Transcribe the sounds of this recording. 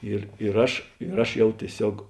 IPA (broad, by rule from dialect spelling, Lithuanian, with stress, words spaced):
ˈɪr ɪr ˈɐʃ ɪr ˈɐʃ ˈjɛʊ tʲiɛˈsʲoːk